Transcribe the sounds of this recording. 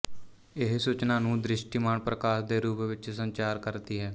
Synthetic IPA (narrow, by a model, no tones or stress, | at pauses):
ɪɦsuːt͡ʃnaːnũːd̪ɾɪʃʈiːmaːɳpɾəkaːʃd̪eːɾuːpʋɪt͡ʃsəɲt͡ʃaːɾkəɾt̪iːɦɛː